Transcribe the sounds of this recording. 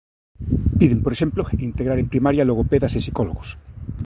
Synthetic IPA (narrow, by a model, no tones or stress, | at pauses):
piðempoɾeʃe̞mploint̪eɣɾaɾempɾimaɾjaloɣopeðasesikoloɣos